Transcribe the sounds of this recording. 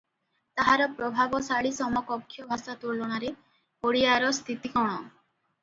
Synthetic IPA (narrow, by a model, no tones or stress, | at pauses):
t̪aɦaɾɔpɾɔbʱabɔsaɭisɔmɔkɔkʰːjɔbʱasat̪uɭːɔɽ̃aɾe | poɽiaɾɔst̪ʰit̪ikɔɽ̃ɔ